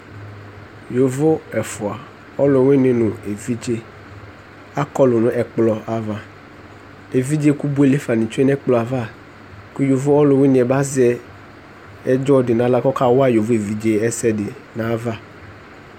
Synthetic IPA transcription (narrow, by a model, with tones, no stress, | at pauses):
jo˨vo˦ɛ˨fʊ˨a˨ | ɔ˦lʊ˨wɪ˦nɪ̃˨nʊ̃˨e˨vi˦d͡ʒe˦ | a˦kɔ˦lʊ˨nʊ̃˨ʔɛ˨k͡plɔ˨ʔa˨va˨ | e˨vi˦d͡ʒe˦ku˦bu˦e˦le˦fa˨nĩ˨t͡ʃo˦ɛ˦nɛ˦k͡plɔ˨a˨va˦˨ | ku˦jo˨vo˦ɔ˦lʊ˨wɪ˦nɪ̃˨ɛ˨ba˦zɛ˦ | ɛ˦d͡ʒɔ˦dɪ˨nã˨˦la˦kɔ˦ka˦wa˦jo˨vo˦e˨vi˨d͡ʒe˦ɛ˦sɛ˦dɪ˨nã˨˦va˦˨